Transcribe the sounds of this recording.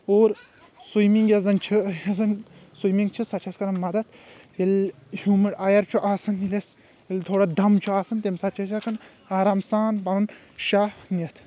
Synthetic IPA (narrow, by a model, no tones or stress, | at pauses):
oːɾ | sujmiŋɡjɐzɐnt͡ʃʰɨɐzɐnsujmiŋɡt͡ʃʰɨsɐt͡ʃʰɐskɐnɐmɐd̪ɐt̪ | el | huːmɐɽajɐɾt͡ʃʰuʔaːsɐniles | elʲt̪ʰoːɽad̪ɐmt͡ʃʰuaːsɐnt̪emsɐt͡ʃʰɐs̬ʲakɐn | aːɾaːmsaːnbɐɾɐn | ʃaːnɐt̪ʰ